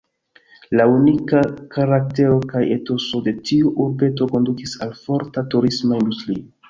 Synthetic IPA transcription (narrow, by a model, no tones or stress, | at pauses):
launikakaɾak̚te̞ɾo̞kajeto̞so̞de̞tiuʔuɾbe̞to̞ko̞ndukisalfo̞ɾtatuɾismaindustɾio